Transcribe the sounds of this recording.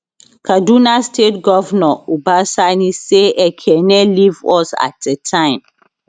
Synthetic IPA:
kʰadunastʰetɡɔvnɔubasaniseʔɛkʰɛnɛlivɔsa̰t̚dɛtʰãɪ̃m

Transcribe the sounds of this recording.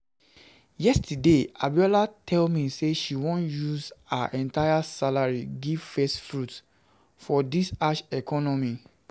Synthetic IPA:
jɛstudea̰bjɔlatʰɛlmiseʃiwõnjuza̰ʔɛ̃ntajasalaɹiɡiv̥fɛstfɹut | fɔdisaʃɛkʰɔnɔmi

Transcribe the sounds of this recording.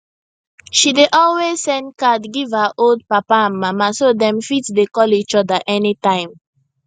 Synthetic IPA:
ʃideʔɔlwez̥sɛ̃ndkadɡivhaʔold̚papaãnmamasodɛ̃mfitsdekɔlit͡ʃɔdəʔɛnitãɪ̃m

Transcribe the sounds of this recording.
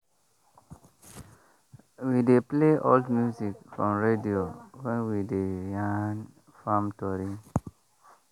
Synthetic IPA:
widepleʔɔ̰ldmjuzikfɹɔ̃mɹediowɛ̃nwidejãn | fãmtɔɾi

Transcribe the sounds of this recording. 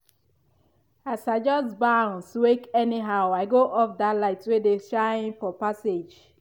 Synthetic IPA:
asaɪd͡ʒɔsbãnswekɛniɦaʊaɪɡoʔɔfdatlaɪtwedeʃaɪ̃nfɔpased͡ʒ

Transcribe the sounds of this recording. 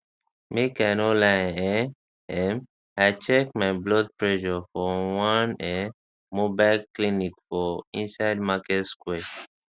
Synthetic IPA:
mikɛ̃nɔlaɛ̃ɛ | ɛ̃m | aɪt͡ʃɛk̚maɪblɔd̚pɹɛʒɔfɔwãnɛ | mobaɪlklinikfɔĩnsaɪd̚makɛtskwɛ

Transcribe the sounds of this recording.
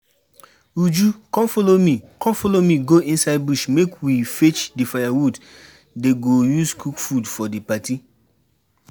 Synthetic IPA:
ud͡ʒukɔ̃mfolomĩkɔ̃mfɔlomĩɡoĩnsaɪd̚buʃmekwifet͡ʃdifajawud | deɡojuskʰukfudfɔdipati

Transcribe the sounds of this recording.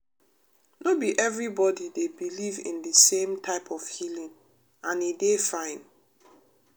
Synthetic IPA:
nobiʔɛvɹibɔdidebilivḭ̃ndisẽmtʰaɪpʰɔfhilĩŋ | ãnidefãɪ̃n

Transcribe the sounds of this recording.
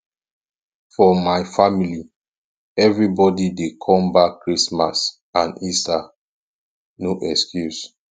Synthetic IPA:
fɔmaɪfamili | ɛvɹibɔdidekʰɔ̃mbakːɹisma̰s | ãnisa | noʔɛkskjus

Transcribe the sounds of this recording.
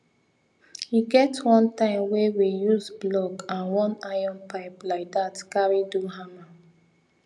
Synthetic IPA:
hiɡɛtwɔ̃ntãɪ̃mwewijuzblɔɡãnwɔ̃naɪɔ̃npaɪplaɪk̚datkaɹiduɦama

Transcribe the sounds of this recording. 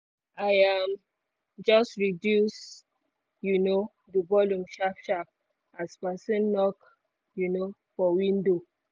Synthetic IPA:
ajam | d͡ʒɔstɹidjus | juno | dəbɔljũmʃapʃap̚ | aspɛsɔ̃nːɔk | junofɔwĩndo

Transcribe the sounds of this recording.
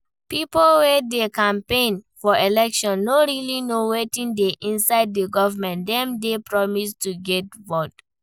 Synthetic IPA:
pipolwɛdekãmpẽnfɔelɛkʃɔ̃nːoɹilinowetĩndeʔĩnsaɪd̚dəɡɔvəmɛ̃ntdɛ̃mdepɹɔmistuɡɛt̚vɔt

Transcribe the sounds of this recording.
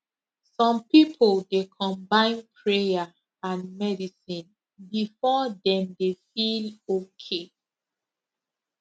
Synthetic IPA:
sɔ̃mpipʰoldekʰɔ̃mbãɪ̃npʰɹeja | ãnmɛdisĩn | bifɔdɛ̃mdefilokʰe

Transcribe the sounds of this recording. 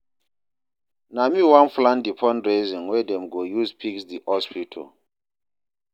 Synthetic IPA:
namiwãnflãndipʰɔ̃nɹezĩŋwɛdɛ̃mɡojuspʰiksdihɔspʰitʰɔ̰l

